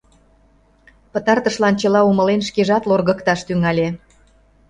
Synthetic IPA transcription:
pə̆t̪ɑrt̪əʃlɑnt͡ɕəlɑumə̆lenʃkeʒɑt̪lorɣə̆kt̪ɑʃt̪yŋɑlʲe

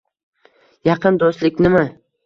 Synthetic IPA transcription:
jɑqʰɨnd̪ost̪lɪk̚ʲnɪmɪ

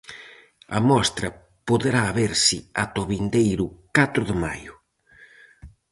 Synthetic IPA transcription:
ɐ̰mɔst̪ɾɐ | poðeɾaːβeɾsɪat̪oβind̪ejɾʊkat̪ɾʊðɪma̰jʊ

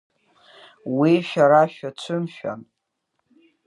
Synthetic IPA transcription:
wiʃᶣaɾaʃᶣat͡ʃʷʰɨmʃᶣa̰n

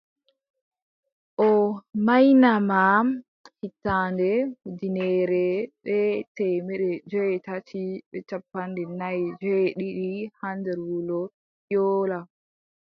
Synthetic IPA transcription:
ʔɔmajnamam | hitːandɛdinɛɾɛɓɛtɛmɛɗɛd͡ʒɔjɛtatiɓɛt͡ʃapːandɛnajd͡ʒɔjɛɗiɗihandɛɾwulɔ | jɔːla

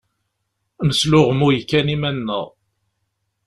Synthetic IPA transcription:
nəslʊʁmujəkːænimænːə̰ʁ

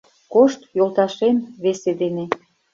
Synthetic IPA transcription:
koʃt̪jolˠt̪ɑʃenβesed̪ene

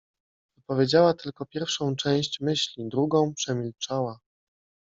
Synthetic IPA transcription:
vɔpɔvʲjed͡ʑawat̪ɘlkɔpʲjɛɾfʂɔ̃w̃t͡ʂɛ̃w̃ɕt͡ɕmɘɕlʲid̪ɾuɡɔ̃w̃pʂɛmʲilt͡ʂawa

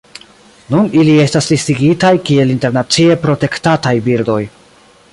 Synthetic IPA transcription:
nunilie̞staslistiɡitajkie̞linte̞ɾnat͡sie̞pɾo̞te̞ktatajbiɾdo̞j

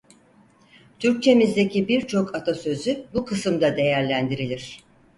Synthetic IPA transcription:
t̪ʰyɾc̚t͡ʃʰe̞mizd̪e̞cibiɾt͡ʃʰo̞kʰat̪ʰasø̞zybukʰɯsɯmd̪ad̪e̞jæɾlʲænd̪iɾilʲiɾ̝̥

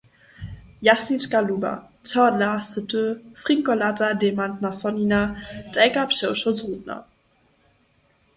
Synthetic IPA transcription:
jasinʃkaluba̰ | tʰɔdlasətʰøfʁ̥iŋkolatademantnasɔninad̥ɛkapʃɛʊʃɔzʁudna̰

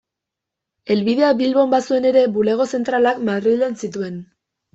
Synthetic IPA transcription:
e̞lβiðe̞aβilβo̞mbasue̞ne̞ɾe̞bule̞ɣ̞o̞se̞nt̪ɾalakmaðrilensit̪ue̞n

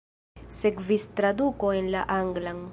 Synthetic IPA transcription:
sekvist̪ɾad̪ukoenla̰ʔaŋɡlaŋ

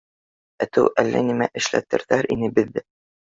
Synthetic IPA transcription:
æt̪ɘwʔælːæ̰nimæʔɘ̆ʃlæt̪ɘ̆ɾðæɾʔinɘbɘ̆ðːɘ

